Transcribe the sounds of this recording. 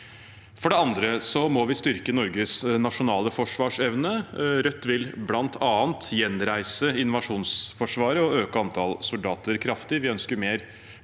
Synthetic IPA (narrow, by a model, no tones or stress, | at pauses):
fɔɖɛɑnd̪ɾəsɔmɔʋɪst̪ʏɾkənɔɾɡəsnɑʂʊnɑːləfɔʂʋɑːʂɛʋnəɾœt̪ːʋɪlblɑnt̪ʰɑːnt̪jɛnɾæɪsəɪnʊʋɑʂuːnsfɔʂʋɑːɾəɔøːkəɑnt̪ʰɑlsʊld̪ɑːt̪əɾkʰɾɑft̪ɪʋɪœnskəɾmeːɾ